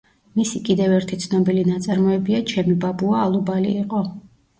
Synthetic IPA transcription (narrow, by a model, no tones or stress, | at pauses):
misikʼid̪ɛvɛɾt̪ʰit̪sʰnɔbilinat̪sʼaɾmɔɛbiat͡ʃʰɛmibabuaːlˠubalḭiqʼɔ